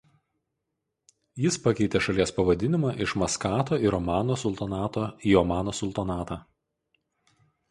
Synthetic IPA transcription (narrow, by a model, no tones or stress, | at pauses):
jɪspɐkʲɛɪt̪ʲeːʃɐlʲiɛspɐʋɐd̪ʲɪnʲɪmɑːʔɪʃmɐskɑːt̪oːɪɾɔmɑːnoːsʊlʲˠt̪ɐnɑːt̪oːiːɔmɑːnoːsʊlʲˠt̪ɐnɑːt̪ɑː